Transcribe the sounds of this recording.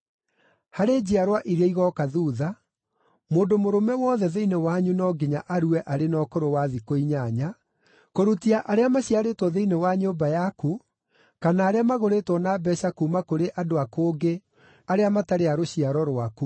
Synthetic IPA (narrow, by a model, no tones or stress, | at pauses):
haɾed͡ʑiaɾwaʔiɾeiɣɔkaðuːða | moːndomoɾomɛwɔːðɛðeinewaɲunɔɡeɲaʔaɾuɛʔaɾenɔːkoɾowaðikoiɲaɲa | koɾutiaʔaɾeamaɕiaɾetwɔðeinewaɲombajaku | kanaːɾeamaɣoɾetwɔnaːbɛɕakumakoɾeʔadoakoːɡe | aɾeamataɾeaɾoɕiaɾɔɾwaku